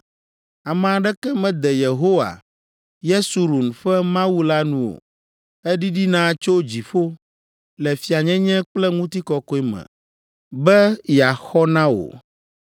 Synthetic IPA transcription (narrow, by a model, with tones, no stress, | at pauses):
a˨mɛ̃˨a˨ɖɛ˦kɛ˦mɛ̃˦d̪ɛ˨je˨ɦo˦wa̰˨ | je˦su˨ɾu˨nɸɛ˦mã˦wu˦la˦nũ˦o̰˨ | ɛ˦ɖi˦ɖi˦nã˦˨t͡ʃo˦d͡ʑi˨fo˦ | lɛ˨fi˨a˨ɲɛ̃˦ɲɛ̃˦k͡plɛ˦ŋũ˦t̪i˦kɔ˦kɔ˦i˦mɛ̰̃˨ | bɛ˦ja˨xɔ˦nã˦wo̰˨